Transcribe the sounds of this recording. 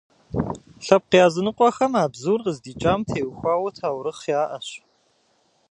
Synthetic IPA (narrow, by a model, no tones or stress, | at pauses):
ɬɐp̚qijaːzɨnɨqʷʼɔxɐmaːbzuːrʁəzdiːt͡ʃʼaːmtʰeːwxʷaːwɐtʰaːwɾɨχjaːʔɐɕ